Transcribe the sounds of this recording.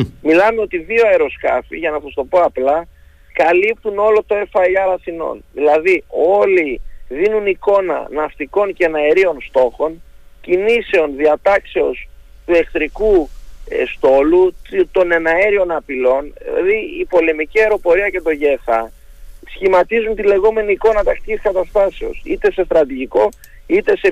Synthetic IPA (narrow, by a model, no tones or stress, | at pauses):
milɐme̞o̞t̪iðio̞ɐeɾo̞skɐ̰fḭʝɐnɐsɐst̪o̞po̞ɐplɐ | kɐlip̚t̪uno̞lo̞t̪o̞e̞fɐiɐɾɐθino̞̰nðilɐðio̞liðinuniko̞nɐ̰nɐft̪iko̞ncenɐeɾio̞nst̪o̞xo̞ncinise̞o̞nðiɐt̪ɐkse̞o̞s | t̪ue̞kθɾiku | st̪o̞lut̪o̞ne̞nɐeɾio̞nɐpilo̞nðḭlɐ̰ðiipo̞le̞miciɐeɾo̞po̞ɾiɐce̞t̪o̞ʝeːfɐ | sçimɐt̪izunt̪ile̞ɣo̞me̞niːko̞nɐt̪ɐkt̪iciskɐt̪ɐst̪ɐse̞o̞̰sḭt̪e̞se̞st̪ɾɐt̪̬iʝiko̞ | it̪e̞se